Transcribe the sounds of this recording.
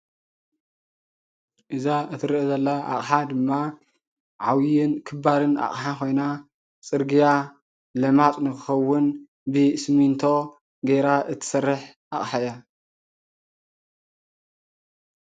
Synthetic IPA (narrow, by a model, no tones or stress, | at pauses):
ʔɨzaɨt̪ʰɨɾɨʔɨzɐlːaʔa̰χʼħad̪ɨmːa | ʕawjɪnkʰɨbaɾɨna̰χʼħakʰo̞jna | t͡sʼɨɾɡija | lɐmat̪ʼnɨkɨxɐwːʊn | bɨsmint̪ʰo̞ | ɡeɾaʔɨt̪ʰɨ̥sɐrːɨħ | ʔaχʼħaja